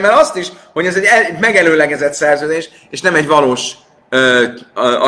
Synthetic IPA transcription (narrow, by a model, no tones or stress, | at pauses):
mɛlɒst̪iʃho̞ɟɛzɛɟɛmɛɡɛløːlɛɡɛzɛt̪sɛrzøːd̪eːʃ | eːʃnɛmɛɟvɒloːʃ | ø | ɒ